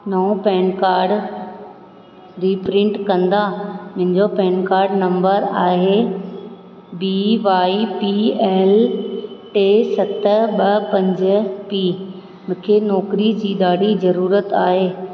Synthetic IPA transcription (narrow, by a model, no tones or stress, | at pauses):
nɐũpɛ̃ːnkaːɾɖ | ɾiːpɾɪ̃ɳʈkɐ̃nd̪amɐ̃ɦɪ̃ɲd͡ʑopɛ̃ːnkaːɾɖnɐ̃mbəɾaːɦe | biʋaːipiɛːl | ʈeːsɐt̪əɓɐpɐ̃ɲd͡ʑə̆piː | mʊ̃kʰenɔːkɾid͡ʑiːɗ̪aːɽizɐɾuːɾət̪aːɦeː